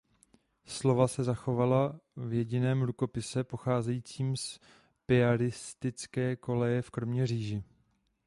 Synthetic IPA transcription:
slo̞vasɛzaxo̞valavjɛɟɪnɛːmɾuko̞pɪsɛpo̞xaːzɛjiːt͡siːms | pɪaɾɪst̪ɪt͡skɛːko̞lɛjɛfkɾo̞mɲɛr̝iːʒɪ

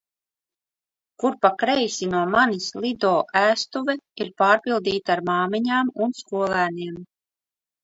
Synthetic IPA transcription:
kuɾpakɾɛjsinuɔmanislʲˠid̪ɔːʔæːst̪uvɛiɾpaːɾpilˠd̪iːt̪aɾmaːmiɲaːmunskuɔlˠæːniɛm

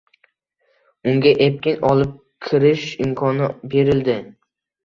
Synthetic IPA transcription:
ʊŋɡʲaʔep̚kʲɪnɒlˠɪp̚ | kʲʰɪɾɪʃɪmkʰɒnɪbe̞ɾɪld̪ɪ

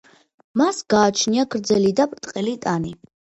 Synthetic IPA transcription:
masɡaːt͡ʃʰniaɡʰɾd̪zɛlid̪apʼɾt̪ʼqʼɛlit̪ʼani

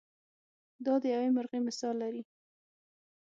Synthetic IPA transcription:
d̪ɑd̪əjawemʊɾɣemɪsɑlːaɾi

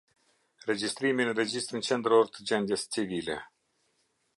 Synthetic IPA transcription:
red͡ʒist̪ɾiminred͡ʒist̪ɾint͡ʃent̪ɾort̪d͡ʒend̪ʲest͡sivilʲḛ

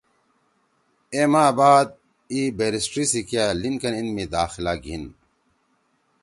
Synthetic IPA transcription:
eːmaːbaːd̪̚ | iːbeɾisʈɾisikijaliŋkɐninmid̪aːxilaːɡʱin

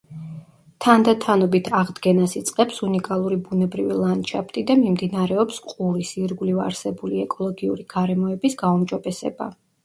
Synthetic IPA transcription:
t̪ʰand̪at̪ʰanɔbit̪ʰaʁd̪ɡɛnasit̪sʼqʼɛpsunikʼalˠuɾibunɛbɾivilˠant͡ʃʰapʰt̪ʼid̪amimd̪inaɾɛɔpsqʼuɾisiɾɡuliva̰ɾsɛbuliɛkʼɔlˠɔɡiṵɾiɡ̥aɾɛmɔɛbisɡaumd͡ʒɔbɛsɛ̰ba̰

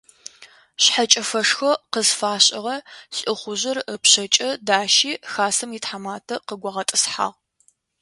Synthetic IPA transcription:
ɕħat͡ʃʼɐfɐʂxɐqəzfaːɕʼɪʁɐɬʼɨχʷʊʑɪrəpɕɐt͡ʃʼɐdaːʃiːxaːsɐmitħamaːtʰɐqəɡʷɐʁɐtʼɨsħa̰ːʁ

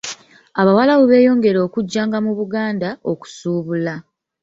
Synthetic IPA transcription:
aβawalawuβe̞ːjo̞ːŋɡe̞ɾo̞ːkuɟːaːŋɡamuβuɡaːndao̞ku̥suːβula

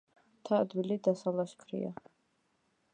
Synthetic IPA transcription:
t̪ʰad̪wilid̪asalaʃkʰɾḭa̰

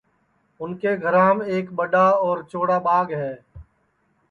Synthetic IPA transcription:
ʊnkeɡʱəɾãːmeːkbəɖaɔːɾt͡ʃoːɽabaːɡɦɛː

